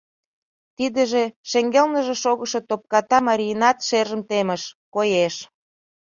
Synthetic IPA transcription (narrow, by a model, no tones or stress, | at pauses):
t̪id̪ə̆ʒeʃeŋɡelnəʒeʃoɣəʃet̪op̚kɑt̪ɑmɑɾʲiənɑt̪ʃerʒə̆mt̪emə̆ʃkojeʃ